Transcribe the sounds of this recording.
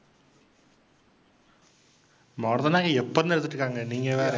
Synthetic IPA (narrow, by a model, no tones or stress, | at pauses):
mɔːɾðɐnaːɣɐɛpːɐɾnɛɾt̪ːɯʈːɯkːaːŋɡɐniːŋɡɐʋeːɾ